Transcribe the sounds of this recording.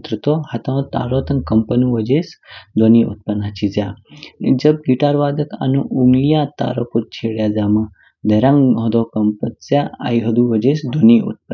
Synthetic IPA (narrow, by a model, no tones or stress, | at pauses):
t̪ɾət̪ohɐt̪ãt̪a̰ːɾoːt̪ɐŋkɐmpənuʋəd͡ʒeːsd̪oniʔṵt̪̚pɐnat͡ʃʰizʲjad͡ʒɐb̚ɡiʈaːɾʋaːd̪ɐka̰nuʔuŋɡlijat̪a̰ːɾokot̪̚t͡ʃʰeːɽjaːd͡zaːmɐ | d̪ɐɾãŋɦɐd̪oːkɐmpət̪t͡sjaa̰jɦɐd̪uʋəd͡ʒeːsd̪ʱoniʔṵt̪̚pə